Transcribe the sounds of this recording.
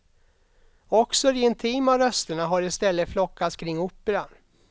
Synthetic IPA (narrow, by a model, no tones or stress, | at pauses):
ɔksɔɾɪɪnt̪ʰiːmaɾœst̪əɳaɦaɾɪst̪ɛlːət̪flɔkʰːat̪skʰɾɪŋːuːpːəɾan